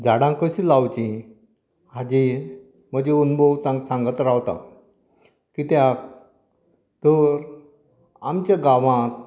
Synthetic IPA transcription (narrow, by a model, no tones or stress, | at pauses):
d͡zaɽãŋkəɕĩlawt͡ɕĩ | had͡ʑi | m̤əd͡ʑeunbʱowt̪ãŋksãŋɡət̪ɾawt̪a̰ | kit̪jak̚ | t̪əɾ | a̰mt͡ɕjaɡaʋãt̪̚